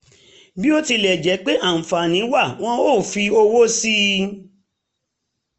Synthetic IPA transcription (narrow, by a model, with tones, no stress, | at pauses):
bi˦o˦ti˧lɛ˨d͡ʒɛ˨˦k͡pe˦ʔa˦˨fa˨nĩ˨˦wa˦˨w̃ɔ̃˦o˦˨fi˧o˧wo˦si˦